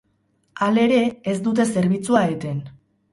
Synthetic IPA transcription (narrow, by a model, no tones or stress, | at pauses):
ale̞ɾe̞ːzd̪ut̪e̞se̞ɾβit͡suaet̪e̞n